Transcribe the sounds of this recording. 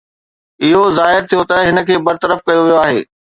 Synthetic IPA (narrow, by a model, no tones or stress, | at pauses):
ɪɦozaːɦɪɾt̪ʰijot̪ɐɦɪnə̆kʰeːbɐɾt̪əɾəfkɐjoʋijoaːɦḛː